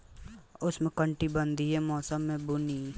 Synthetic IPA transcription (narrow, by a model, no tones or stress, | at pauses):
ʊsmẽkəɳʈibə̃nd̪ʱiɦɛmɔːsəmːẽbʊniː